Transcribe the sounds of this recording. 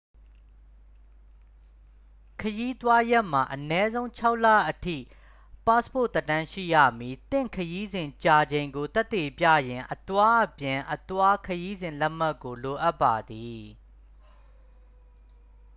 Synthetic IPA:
kʰəji˦t̪wa˦jɛ˦ʔm̥a˨ʔənɛ˦zõ˦ʊ̃t͡ɕʰa˦ʊʔla̰˦˨ʔətʰḭ˦˨ | pa˦spo˦˨t̪ə˦tã˦ʃḭ˦˨jä̰˦˨mji˨t̪ɪ̰̃˦˨kʰəji˦zɪ̃˨ɲt͡ɕa˨d͡ʑẽ˨ɪ̃ŋɡo˨t̪ɛ˦t̪ːe˨pja̰˦˨jɪ̃˨ʔət̪wa˦ʔəpjɪ̃˨ʔə˨t̪wa˦kʰəji˦zɪ̃˨lɛ˦ʔm̥a˦kːo˨lo˨ʔa˦pːa˨d̪i˨

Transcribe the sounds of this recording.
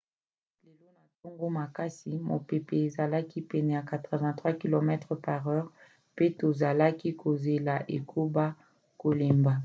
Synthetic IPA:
le˨lo˦na˨to˦ŋɡo˦ma˨ka˦si˨mo̰˨pe˨pɛ˨e˨za˨la˦ki˦pɛ˨nɛ˨ja˨ka˨tʁə˨vɛ̃˨tχwa˦ki˨lo˨mɛ˦tʁə˨pa˨ʁɛ˦ʁ | pe˦to˨za˨la˦ki˦ko˨ze˨la˨ʔe˨kʰo˦ba˦ | ko˨le˨mba˨

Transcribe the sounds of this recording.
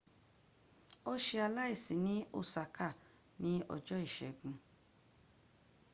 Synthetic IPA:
o˦ʃe˧a˧la˦i˦˨sĩ˨˦nĩ˦o̰˦˨sa˨kʰa˦˨ | nĩ˦ɔ̰˦˨d͡ʒɔ˦i˦˨ʃɛ˨ɡũ˨˧

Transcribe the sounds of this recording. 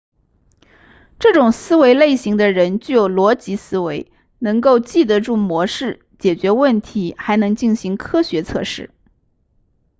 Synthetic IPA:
ʈ͡ʂɤ˥˩ʈ͡ʂʊ˨˩ŋsɹ̩˥we˧˥ɪle˥˩ɪɕi˧˥ŋd̪ə˧ɻə˧˥nt͡ɕy˥˩jo˨˩ʊlwɔ˧˥t͡ɕi˧˥sɹ̩˥we˧˥ɪ | nɤ˧˥ŋko˥˧ʊt͡ɕi˥˩d̪ə˧˥ʈ͡ʂu˥˩mwɔ˧˥ʂɻ̩˥˩ | t͡ɕjɛ˨˩t͡ɕɥɛ˧˥wə˥˩nt̪ʰi˧˥xa˧˥ɪnɤ˧˥ŋt͡ɕi˥˩nɕi˧˥ŋkʰɤ˥ɕɥɛ˧˥t͡sʰɤ̰˥˧ʂɻ̩˥˩

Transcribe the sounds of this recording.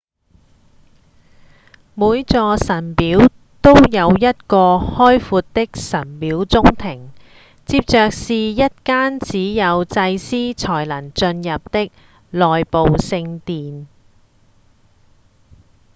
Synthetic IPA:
muː˨˧jt͡sɔː˧sɐ˨˩npiː˨˥w | t̪o˥wjɐ˨˧wjɐ˥t̚kɔː˧hɔː˥jfuː˧t̚t̪ɪ˥k̚sɐ˨˩npiː˨˥wt͡sʊ˥ŋt̪ʰɪ˨˩ŋ | t͡siː˧p̚t͡ʃœː˨k̚siː˨jɐ˥t̚kaː˥nt͡siː˨˥jɐ˨˧wt͡sɐ˧jsiː˥t͡sʰɔː˨˩jlɐ˨˩nt͡ʃɵ˧njɐ˨p̚t̪ɪ˥k̚ | lɔː˨jpo˨wsɪ˧ŋt̪iː˨n

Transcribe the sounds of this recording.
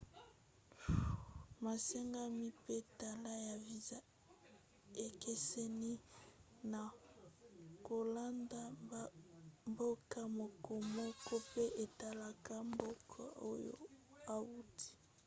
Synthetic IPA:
ma˨sɛ˦ŋɡa˦mi˦pe˦ta˨la˦ja˨vi˨za˦ | e˨kɛ˦sɛ˦ni˦ | na˨ | ko˨la˦nda˦ | mbo˦ka˦mo˨kɔ˨mɔ˦kɔ˦pe˦ʔe˨ta˨la˨ka˦mbo˦kʰa˦˨o̰˦jo̰˦a˨wu˦ti̥˦

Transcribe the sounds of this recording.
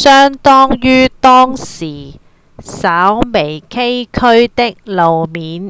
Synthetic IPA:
sœː˥ŋt̪ɔː˥ŋjyː˥t̪ɔː˥ŋsiː˨˩ | saː˨˥wme˨˩jkʰe˥jkʰɵ˥ɥt̪ɪ˥k̚lo˨wmiː˨˥n

